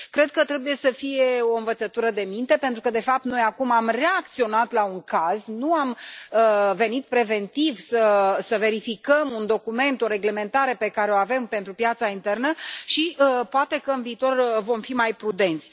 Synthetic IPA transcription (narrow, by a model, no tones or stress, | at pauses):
kɾe̞d̪̚kət̪ɾe̞buje̞səfije̞o̞ɨnvət̪sət̪uɾəd̪e̞mint̪e̞pent̪ɾukəd̪e̞fap̚t̪no̞jakumamre̞ak̚t̪sio̞nat̪lauŋkaznuaməve̞nit̪̚pɾe̞ve̞nt̪ivsəsəve̞ɾifikəmund̪o̞kume̞nt̪o̞ɾe̞ɡle̞me̞nt̪aɾe̞pe̞kaɾeoave̞mpe̞nt̪ɾupjat̪saint̪e̞rnəʃiəpoat̪e̞kəɨnviːt̪o̞rvo̞mfimajpɾud̪e̞nt̪sʲ